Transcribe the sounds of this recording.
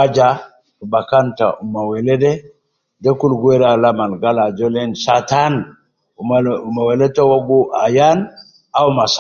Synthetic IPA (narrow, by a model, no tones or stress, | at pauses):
ad͡ʒa | bakanta̰umawelede | dekulɡweɾalamanɡalad͡ʒolensatan | umumaweletowoɡuʔajan | aumas